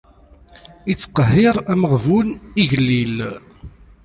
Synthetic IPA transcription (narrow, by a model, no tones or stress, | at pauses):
it͡sːqəɦːɪɾˤæməʁvuniʝəlːil